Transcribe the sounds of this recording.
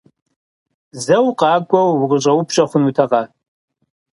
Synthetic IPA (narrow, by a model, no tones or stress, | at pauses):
zɐwqʼɑːkʷʼɐwʁəɕʼɐwʊpʰɕʼɐχʷʊnutʰɐʁɑ